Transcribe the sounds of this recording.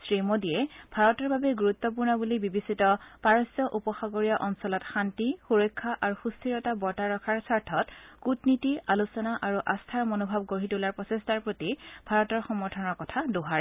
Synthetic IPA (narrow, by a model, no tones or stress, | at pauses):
sɹimodijɛbʱaɹɔtɔɹbabɛɡuɹut̪ːɔp̬uɹnɔbulibibisitɔpaɹɔsjɔʔupɔxaɡoɹijaʔɔnsɔlɔtxantixuɹɔjkʰːaʔaɹuxustʰiɹɔtabɔtaɹɔkʰaɹsaɹtʰɔtkutnitialusɔnaʔaɹuʔastʰaɹmonobʱab̚ɡoɹitulaɹpɔsestaɹpɹotib̥ʱaɹɔtɔɹxɔmɔɹtʰɔnɔɹkɔtʰadoɦaɹɛ